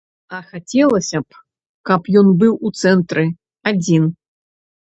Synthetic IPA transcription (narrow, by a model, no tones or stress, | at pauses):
ɐxat͡sʲɛlˠɐsʲɐp̚ | kɐpjɔnbɨwut̪sɛnt̪ɾɨ | ad͡zʲin